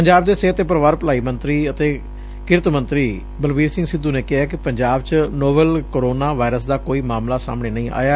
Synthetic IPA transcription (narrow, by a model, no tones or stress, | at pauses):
pəɲd͡ʒaːbd̪eːseːɦət̪eːp̬əɾəʋaːɾpəlaːiːmənt̪ɾiːət̪eː | kɪɾt̪mə̃nt̪ɾiː | bəlʋiːɾsɪ̃ŋɡsɪd̪ːuːneːkɪɦaːkɪpəɲd͡ʒaːbt͡ʃnoːbəlkoɾoːnaːʋaːɪɾəs̬d̪aːkoːiːmaːmlaːsa̰ːmɳ̃eːnəĩːʔa̰ːjaː